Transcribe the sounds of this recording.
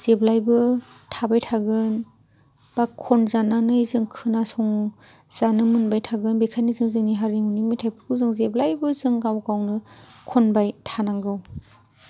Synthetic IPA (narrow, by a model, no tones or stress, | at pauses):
z̥eblajbɯ | tʰabajtʰaɡɯn | b̥akʰːɔnzananɯjzɯŋkʰɯnasɔŋ | z̥anɯmɯnbajtʰaɡɯnbikʰajnizɯŋzɯŋniɦaɾimunimitʰajpʰɯɾkʰɯwzɯŋzeblajbɯzɯŋɡawɡawnɯkʰɔnbajtʰanaŋɡɯw